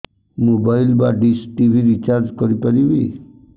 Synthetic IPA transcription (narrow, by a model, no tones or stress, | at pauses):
mobailbaɖisʈiʋʱiɾit͡ʃaɾd͡ʒkɔɾipəɾiʋi